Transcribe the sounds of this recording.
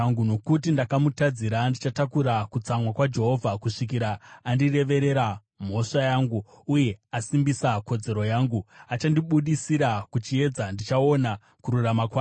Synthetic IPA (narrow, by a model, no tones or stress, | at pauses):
ŋɡuno̞kutindakamutad͡ziɾandit͡ʃatakuɾakut͡samwakwad͡ʒe̞ɦo̞vʱakuʂik̬iɾaːndire̞ʋe̞ɾe̞ɾa | m̤o̞ʂajaːŋɡu | uje̞asimbisako̞d͡ze̞ɾo̞jaːŋɡuat͡ʃandiɓuɗisiɾakut͡ʃie̞d͡zandit͡ʃao̞na | kuɾuramakwaː